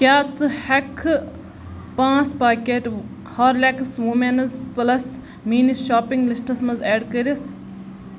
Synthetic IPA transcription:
kʲaːt͡sɨhɛkʰ | pãːt͡spaːkʲeʈ | haːɾlɛksʋumenɐzplɐs | miːniʃaːpiŋɡlisʈɐsmɐzɛːɖkəɾis

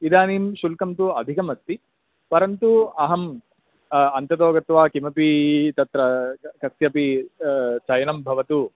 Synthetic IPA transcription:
id̪aːniːmʃulkɐmt̪uɐd̪ʱikɐmɐst̪ːi | pɐɾɐnt̪uɐɦɐm | ɐnt̪ɐt̪oːɡɐt̪ʋaːkimɐpit̪ɐt̪ɾɐkɐssjɐpi | t͡ʃɐjɐnɐmbʱɐʋɐt̪u

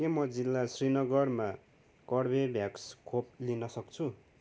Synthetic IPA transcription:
kemʌd͡zilːasrinʌɡʌrma | kʌɽbebʱjakskʰop̚linʌsʌkt͡sʰu

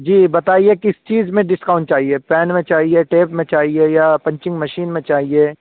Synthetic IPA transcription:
d͡ʒiːbɐt̪aːiekɪst͡ʃiːzmẽɖɪskaʊ̃ɳʈt͡ʃaːɦiepɛːnmẽt͡ʃaːɦieʈeːpmẽt͡ʃaːɦiejapɐ̃ɲt͡ʃɪ̃ŋɡmɐʃiːnmẽt͡ʃaːɦieː

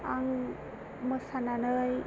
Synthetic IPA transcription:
aŋ | məsananɯj

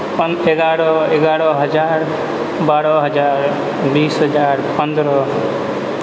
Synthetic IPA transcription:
p | eɡaɾɔeɡaɾɔɦʌd͡ʒaɾ | baɾɔɦʌd͡ʒaɾ | bisɦʌd͡ʒaɾpʌnd̪ɾɔ

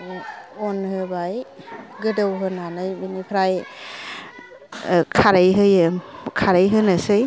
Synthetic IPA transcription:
ɔnhɯbaj | ɡɯdɯwɦɯnanɯjbinipʰɾaj | kʰaɾajɦɯjkʰaɾajɦɯnɯsɯj

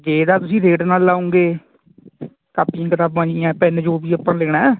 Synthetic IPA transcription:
d͡ʒeːd̪aːt̪ʊsĩːɾeːʈnaːlaːõːŋɡeː | kaːpiːãːkət̪aːbãːd͡ʒiːãːpɛːnd͡ʒoːbiːapãːleːɽ̃aː

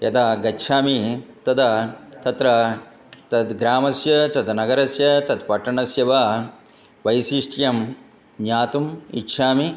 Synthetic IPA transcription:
jɐt̪aɡɐtːʃʰaːmit̪ɐd̪ɐt̪ɐt̪ɾɐ | t̪ɐd̪ɡɾaːmɐsjɐt̪ɐt̪nɐɡɐɾɐsjɐt̪ɐt̪pɐʈːɐɳɐsjɐʋa | ʋɐjsiʂʈʰjɐm | ɲaːt̪umḭtːʃʰaːmi

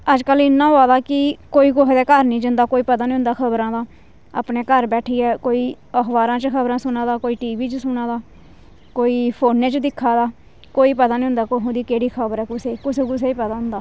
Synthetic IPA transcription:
əd͡ʒkəlɪnːãːɦoaːd̪aːkɪkoːiːkʊɦd̪ɛːkəɾnĩːd͡ʒənd̪aːkoːiːpət̪aːnĩːʊ̃nd̪aːkʰəbɾãːd̪aː | a̰ːpneːkəɾbɛːʈʰiːɛːkoːiː | əkʋaːɾãːt͡ʃxʰəbɾãːsʊnaːd̪aːkoːiːʈiːʋiːt͡ʃəsʊnaːd̪aː | koːiːpʰoːnːẽːt͡ʃd̪ɪkʰːaːd̪aː | koːiːpət̪aːnĩːɦʊ̃nd̪aːkoɦʊ̃nd̪iːkeːɽiːkʰəbəɾɛːkʊseːkʊseːkʊs̬eːiːpət̪aːɦʊ̃nd̪aː

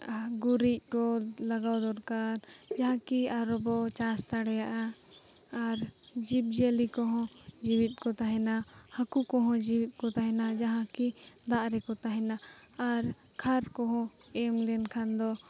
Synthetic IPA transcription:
ɡuɾic̚ˀkɔlaɡawd̪ɔɾkaɾ | d͡ʒaɦãkiaɾɔbɔt͡ʃast̪aɽɛjaʔaː | ɾ | d͡ʒib̚d͡ʒelikɔɦɔ̃ | d͡ʒiwit̪̚ˀkɔt̪aɦɛna | hakukɔɦɔ̃d͡ʒiwit̪̚ˀkɔt̪aɦɛnad͡ʒaɦãki | d̪aʔɾɛkɔt̪aɦɛnaː | ɾ | kʰaɾkɔɦɔ̃ | ɛmlɛnkʰand̪ɔ

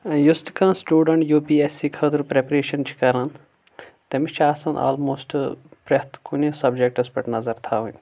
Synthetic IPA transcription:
just̪kãːsʈuːɖɐɳʈjoːpiːesiːkʰɐd̪ɾpɾepɾeːʃɐnt͡ʃʰi̥kɐɾãn | t̪emit͡ʃʰaːsɐ̃nʔa̰ːlmoːsʈpɾet̪kunisɐbd͡ʒek̚ʈɐspɐʈnɐzɐɾt̪ʰaːɦũn

